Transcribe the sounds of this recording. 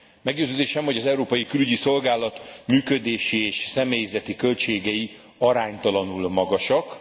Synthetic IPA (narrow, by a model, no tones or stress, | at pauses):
mɛɡɟøːzøːd̪eːʃɛmho̞ɟɒzɛuɾoːpɒjikylyɟiso̞lɡaːlɒt̪myːkød̪eːʃieːʃsɛmeːjzɛt̪ikø̞lt͡ʃeːɡɛji | ɒɾaːɲt̪ɒlɒnulmɒɡɒʃɒk